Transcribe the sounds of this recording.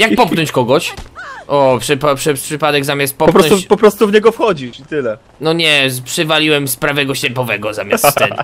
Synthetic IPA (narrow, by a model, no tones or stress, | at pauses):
jakpɔp̚kknɔɲt͡ɕkɔɡɔɕʔɔpʂɨpapʂɛpʂɘpad̪ɛɡzamʲast̪̚pɔpɔpɾɔnɔ̃ɲut͡ɕpɔpɾɔst̪uvɲɛɡɔfxɔd͡ʑiit̪ɘlɛ | nɔɲɛpʂɨvalʲiwɛmspɾavɛɡɔɕlɛpɔvɛɡɔza̰mʲjast̪ːsɛ̰n